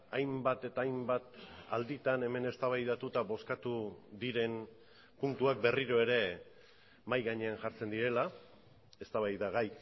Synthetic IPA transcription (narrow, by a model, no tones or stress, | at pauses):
ajmbat̪e̞t̪aːjmbat̪a̰ld̪it̪ane̞me̞ne̞st̪aβajðat̪ut̪aβo̞skat̪uðiɾe̞n | punt̪uak̚be̞riɾo̞e̞ɾe̞ | majɣaɲe̞anʝaɾt͡se̞nd̪iɾe̞la | e̞st̪aβajðaɣaj